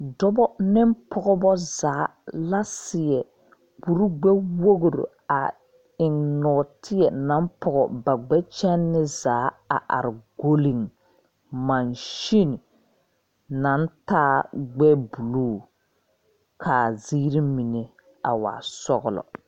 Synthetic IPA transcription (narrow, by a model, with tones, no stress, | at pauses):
dɔ˦bɔ˦nɪ˦mpʰɔ˨ɣɔ˦bɔ˦zaː˨˦la˦sɪ˨jɛ˨ | k͡pu˨ɾu˦ɡ͡bɛ˦wo˦ɣo˨ɾo̰˨ | a˨ | ɪ˨ŋnɔ˨tʰɪ˦jɛ˨na˨˦m˦pʰɔ˨ɣɔ˨ba˨ɡ͡bɛ˦t͡ʃɛ˦nːɪ˦zaː˨˦a̰˨ʔa̰˨ɾɪ˨ɡo˦li˨ŋ | ma˨nʃi˦n˨ | na˨˦n˦taː˦ɡ͡bɛ˦bu˨luː˦˨ | kʰaː˨ziː˦ɾi˦mi˨ne˨ | a˨wa̰ː˨sɔ˦ɣʊ̰˦˨lɔ̰˨